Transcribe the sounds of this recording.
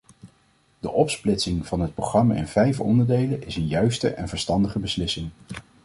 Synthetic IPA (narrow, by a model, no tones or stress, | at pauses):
d̥əʔɔpsplɪtsɪŋv̥ɑnɦət̚proχrɑma̰ɪ̰nvɛjfɔ̰ndəɹdejlənɪsənjœɥstə̰ʔɛnvəɹstɑndəχəbəslɪsɪŋ